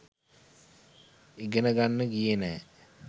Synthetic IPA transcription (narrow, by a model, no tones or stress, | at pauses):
iɡənəɡanːəɡijenɛː